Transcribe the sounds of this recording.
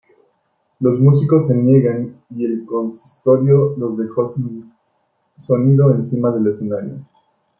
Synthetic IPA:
lo̞zmus̬iko̞s̬ːe̞nje̞ɣanie̞lko̞nsi̥st̪o̞ɾjo̞lo̞zðe̞xo̞sin | so̞niðo̞ensimaðe̞le̞se̞naɾjo̰

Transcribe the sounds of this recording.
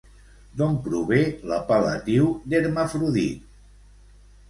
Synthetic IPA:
d̪ompɾuβeləpalə̰t̪iwd̪eɾmafɾuðit̪

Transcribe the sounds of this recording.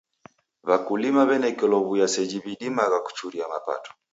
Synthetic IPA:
βakulimaβɛnɛkɛlɔβujasɛd͡ʒiβiɗimaɣaku̥t͡ʃuɾiamapa̰tɔ̥

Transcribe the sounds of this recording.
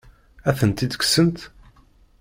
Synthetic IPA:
æθənt̪id̪ə̥ksənt̪

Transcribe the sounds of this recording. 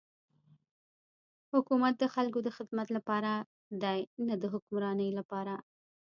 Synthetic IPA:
hʊkumat̪̚d̪əxalkod̪əxɪd̪mat̪lapɑɾa | d̪ɑjnad̪əɦʊkʊmɾɑnəjlapɑɾa

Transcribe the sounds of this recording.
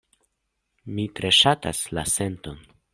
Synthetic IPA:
mitɾe̞ʃata̰slase̞nto̞n

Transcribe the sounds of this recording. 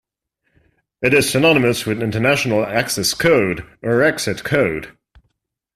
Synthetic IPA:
ɪɾɪz̥sənɒnɪməswɪðɪ̃ntənaʃənəlˠaksɛskʰoʊdʔəɹɛksɪtkʰoʊd̥

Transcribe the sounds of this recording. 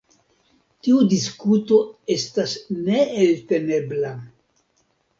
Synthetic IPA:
tiudiskuto̞e̞stasne̞ːlte̞ne̞bla

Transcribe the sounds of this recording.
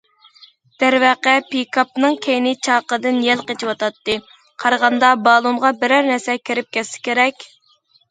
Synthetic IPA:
d̪̥æɾwæqɛpikʰɑp̚nɨŋkʲʰejnɪt͡ʃʰɑqəd̪ɨnjɛlqet͡ʃiwɑt̪ɑt̪ːɨ | qʰɑɾəʁɑnd̪ɑbɑːlˠumʁɑbɪɾæɾnæsɛkʲʰeɾɪp̚kʲɛsːɪ̥kʲeɾɛkʲ

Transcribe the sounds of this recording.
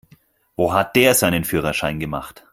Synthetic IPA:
voːɦat̚d̥eːɐzaɪnənfyːʁ̞ɐʃaɪnɡəmaχt

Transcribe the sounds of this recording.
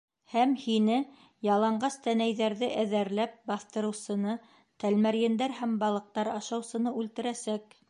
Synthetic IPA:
hæmhinɘ | jɑlˠɑɴɢɑst̪ænæjðæɾðɘʔæðæɾlæp̚bɑθt̪ɤ̆ɾɤ̆wsɤ̆nɤ | t̪ælmæɾjɘ̆nd̪æɾhæmbɑlˠɤ̆q̚t̪ɑɾɑʃɑwsɤ̆nɤʉlt̪ɘ̆ɾæsæk

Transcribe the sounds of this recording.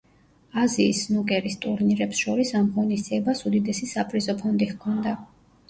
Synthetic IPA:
aziːsnukʼɛɾist̪ʼuɾniɾɛpsʃɔɾisamʁɔnisd̪iɛbasud̪id̪ɛsisapʼɾizɔpʰɔnd̪ihkʰɔnd̪a

